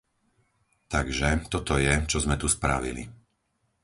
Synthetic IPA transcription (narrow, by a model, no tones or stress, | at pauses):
t̪aɡʒɛt̪ɔt̪ɔjɛt͡ʃɔzmɛt̪uspɾa̰ʋḭlḭ